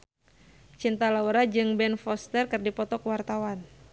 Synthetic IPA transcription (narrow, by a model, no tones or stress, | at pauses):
t͡ʃint̪alauɾad͡ʒɨŋbɛnfɔst̪ərkɨrdipɔt̪ɔkəwart̪awan